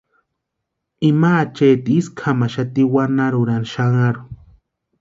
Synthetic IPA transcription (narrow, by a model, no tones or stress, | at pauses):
imat͡ʃeːt̪iiskʰamaʃat̪iwanaɾuɾanʃaŋaɾu